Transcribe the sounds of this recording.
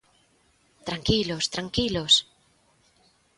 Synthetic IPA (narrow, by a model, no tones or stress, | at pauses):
t̪ɾaŋkilost̪ɾaŋkilos